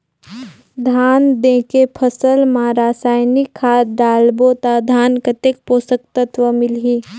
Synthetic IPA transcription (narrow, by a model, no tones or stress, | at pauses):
d̪ʱaːnd̪ẽːkepʰəsəlmãːɾaːsaːjnikʰːaːɖaːlbot̪ad̪ʱaːnkət̪ek̚poːsək̚t̪ət̪ʋəmɪlɦiː